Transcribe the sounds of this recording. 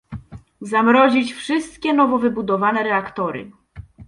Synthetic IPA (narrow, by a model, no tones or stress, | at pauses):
zamɾɔʑit͡ɕfʂɘst̪̚kʲɛn̪ɔvɔvɘbud̪ɔvanɛɾɛakt̪ɔɾɘ̰